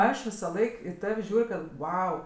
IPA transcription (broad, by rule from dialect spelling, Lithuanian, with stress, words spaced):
ˈɐʃ ʋʲɪsɐˈlˠɐɪk ɪ ˈtɐw ˈʒʲuːrʲ kɐt ˈʋɐʊ